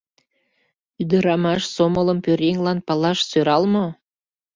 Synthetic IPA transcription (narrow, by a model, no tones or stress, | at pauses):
yd̪əɾɑmɑʃsomələmpøɾeŋlɑnpɑlɑʃsøɾɑlmo